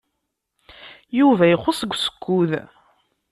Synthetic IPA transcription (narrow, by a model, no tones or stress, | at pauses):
juvæjiχosəɡʷːsə̥kʰʷːuð